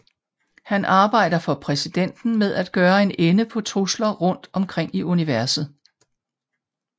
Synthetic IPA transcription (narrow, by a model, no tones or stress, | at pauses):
hænʔɑ̈ːb̥ɑ̈ɪ̰d̥ɐfɒ̽pʰʁɛsid̥en̰d̥n̩meðˠæd̥̚ɡ̥ɶːɐe̝nenəpʰɒ̽t͡sʰʁuslɐʁɔ̽n̰d̥ɒ̽mkʰʁeŋ̰iʔuniʋæɐsð̞̩ˠ